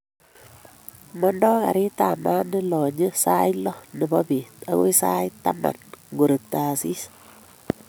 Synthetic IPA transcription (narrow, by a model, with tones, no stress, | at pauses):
mɔ˦ndɔː˦ka̰˨ɾi˦ta˨ma˦nɪ˦lɔ˨ɲə˦sa˦jlɔ˦nɪ˨bɔ˦bi˨ta˦ɣṵ˦jsa˦jta˦ma̰˨nɡu˨ɾə˨k̚taː˨si˦s